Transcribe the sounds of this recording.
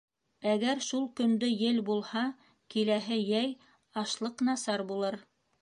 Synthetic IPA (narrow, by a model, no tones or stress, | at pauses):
æɡæɾʃulˠkɵ̆nd̪ɵjɘlbulˠhɑ | kilæɦɘjæj | ɑʃlˠɤqnɑsɑɾbulˠɤɾ